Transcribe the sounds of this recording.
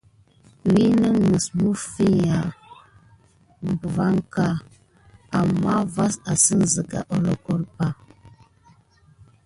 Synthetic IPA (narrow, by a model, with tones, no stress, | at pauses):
wi˦nə˦ŋə˨smu˦fi˦ja˨ | m˨bva˦ŋka˨ | a˨ma˦va˦sa˨sə˦n˨zə˨ɡa̰˨ʔo˨lɔ˨kɔ˦ɾpa˦